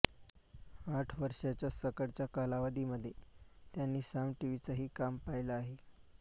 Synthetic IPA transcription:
aʈʰʋəɾʂat͡ɕjasəkəɽt͡ɕjakalaʋad̪iːməd̪ʱːjet̪janːiːsamʈiʋit͡səɦiːkampajləaɦe

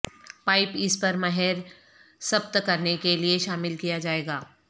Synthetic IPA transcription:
paːɪpɪspɐɾmɐɦɛɾ | sɐbt̪kɐɾnekelieʃaːmɪlkijad͡ʒaːeːɡaː

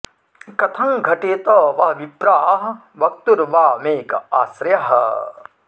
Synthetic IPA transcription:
kɐt̪ʰɐŋɡʱɐʈeːt̪ɐʋɐɦʋibɾaːɦɐ | ʋɐk̚t̪uɾʋaːmeːkaːsɾjɐɦɐ

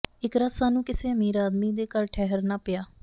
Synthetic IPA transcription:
ɪkɾasaːnũːkɪseːəmiːɾaːd̪miːd̪eːkəɾʈʰɛːɦəɾnaːpɪjaː

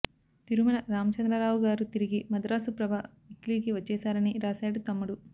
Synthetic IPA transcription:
t̪iɾumɐnɐɾaːmɐt͡ʃɐnd̪ɾɐɾaːʋuɡaːɾut̪iɾiɡimɐd̪ɾaːsupɾɐbʱaː | ikliːkiʋɐt͡ʃːɛːsaːɾɐniɾaːsaːɽut̪ɐmːuɽu

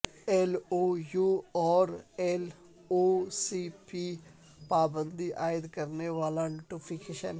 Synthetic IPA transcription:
ɛloːjuːɔːɾɛl | oːsiːpiː | paːbənd̪iːʔaːɪd̪kəɾneːʋaːlaːnʈupʰikeːʃə̰n

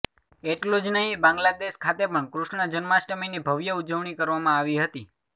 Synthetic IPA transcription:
eʈlod͡ʒnəɦĩbãŋɡlad̪eʃkʰat̪epəɳkɾuʃɳəd͡ʒənmaʃʈəminibʱəʋjəud͡ʒəʋɳ̃ikəɾʋamãaʋiɦət̪i

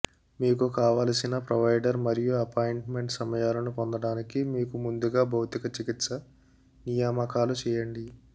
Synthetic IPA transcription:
miːk̬ukaːʋaːlɐsinɐpɾɐʋɐjɖɐɾmɐɾijuɐpaːjiɳʈme̞ɳʈsɐmɐjaːlɐnupond̪ɐɽaːnikimiːkumund̪uɡaːbʱɐwt̪ikɐt͡ʃikit̪sɐ | nijaːmɐkaːlut͡ʃɛːjɐɳɖi

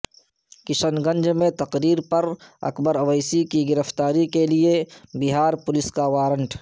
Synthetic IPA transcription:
kɪʃənɡə̃nd͡ʒmẽt̪ɐqɾiːɾpɐɾɐ̰kbəɾɐʋəjsikiɡɪɾəft̪aːɾikeliebɪɦaːɾpʊlɪskaʋaːɾə̃ɳʈ

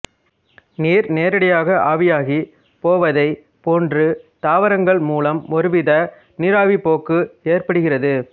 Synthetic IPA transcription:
niːɾneːɾɐɽɐjaːɣɐʔaːʋɪjaːɣi | poːʋɐðɐɪ | poːndrɯt̪aːʋɐɾɐŋɡɐɭmuːlɐmɔɾɯʋɪðɐ | nɪɾaːʋipoːkːɯeːrpɐɽɯɣɪrɐðɯ

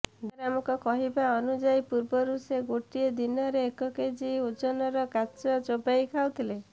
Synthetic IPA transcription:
d̪ɾamɔkɔkɔɦibaɔnud͡ʒajpuɾbɔɾuseɡoʈied̪inɔɾeːkɔked͡ʒiud͡ʒɔnɔɾɔkat͡ʃɔd͡ʒobajkʰawt̪ʰile

